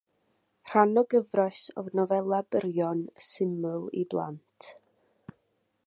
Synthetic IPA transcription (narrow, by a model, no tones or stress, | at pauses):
r̥anɔɡəvrɔjsɔ̰vnɔvɛlˠabəɾjɔnsɪmʊlˠḭblˠa̰ntʰ